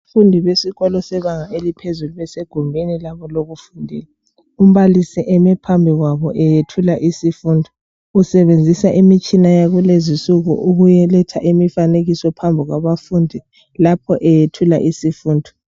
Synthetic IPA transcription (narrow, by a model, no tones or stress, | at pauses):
fundʱiβesiɣɔlɔsɛβaŋaelipʰezuluβɛseɡ̥ʱumbʱinilaβɔloɣufundʱḭːla | um̩βalisiʔɛmɛpʰambʱiɣwaβɔʔɛjetʰulaʔisifuːndʱɔ | usɛβend͡zʱisaʔimit͡ʃʼinajaɣulezisuɣṵʔuɣujɛlɛtʰaʔimifaneɣisɔpʰambʱiɣwaβafundʱi | lapʰɔʔɛjetʰula̰ʔisifuːndʱɔ